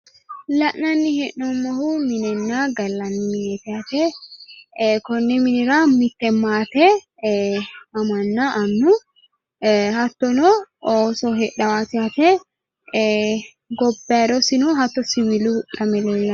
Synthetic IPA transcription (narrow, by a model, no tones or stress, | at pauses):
lɐʔnɐnːɪhɛʔnɔmːɔhʊmɪnɛnːaɡɐlːɐnːɪmɪnɛt̪ɪat̪ɛ | kɔnːɛmɪnɪɾɐmɪt̪ːɛmːaːt̪ɛ | ɐmɐnːaʔɐnːu | hɐt̪ːɔnɔoːsɔɦɛᶑɐwaːt̪ɪat̪ɛ | ɡɔbːɛd̪ɔsɪnɔɦɐt̪ːɔsɪwɪluʔɐmɛleːlːɐ